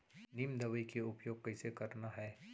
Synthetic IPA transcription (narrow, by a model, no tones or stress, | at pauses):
nimd̪ɐʋəikeʊpjoːɡ̚kɐɪsekɐɾnaɦɛː